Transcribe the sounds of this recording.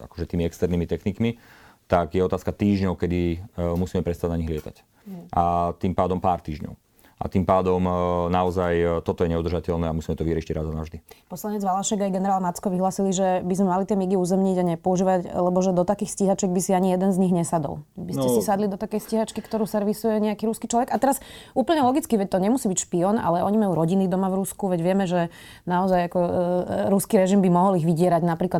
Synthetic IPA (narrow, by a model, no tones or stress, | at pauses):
a̰kɔ̥ʒɛt̪iːmiɛkst̪ɛɾnimit̪ɛxnikmit̪aɡjɛɔt̪aːskat̪iːʒɲɔʊkɛd̪imusiːmɛpɾɛst̪aɟnaɲiɣlɪɛt̪a̰c | at̪iːmpaːd̪ɔmpaːɾt̪iːʒɲɔ̰ʊ | ʔa̰t̪iːmpaːd̪ɔmnaɔzajt̪ɔt̪ɔjɛɲɛud̪r̩ʒacɛʎnɛːamusiːmɛt̪ɔʋiɾɛʃiɾad̪anavʒd̪ipɔslaɲɛd͡zʋalaʃɛɡajɡɛnɛɾaːlmat͡skɔʋiɦlaːsiliʒɛbizmɛmalit̪ɪɛmiɡiuːzɛmɲiɟaɲɛpɔuʒiːʋaɟlɛbɔʒɛd̪ɔt̪akiːxsciɦat͡ʃɛɡ̚bisiaɲijɛd̪ɛnzɲiɣɲɛsad̪ɔ̰lbiscɛsisad̪lid̪ɔt̪akɛjsciɦat͡ʃkikt̪ɔɾuːsɛɾʋisujɛɲɛakiɾuskit͡ʃlɔʋɛɡat̪ɛɾasʔuːpl̩ɲɛlɔɡit͡skiʋɛc̚ʲt̪ɔɲɛmusiːbicʃpiɔna̰lɛɔɲimajuːɾɔɟinid̪ɔmavɾuskuʋɛɟʋɪɛmɛʒɛ | naɔzajakɔɾuskiɾɛʒimbimɔɦɔliɣʋiɟɪɛɾaɟnapɾiːkla